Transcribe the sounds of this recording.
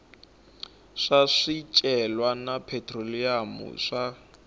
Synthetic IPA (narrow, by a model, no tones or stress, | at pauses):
ʂaʂit͡ʃʼɛlwanapʰɛtʰʼroliamṵʂa